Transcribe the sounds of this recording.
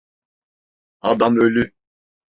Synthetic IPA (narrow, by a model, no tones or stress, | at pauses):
ad̪amølʲy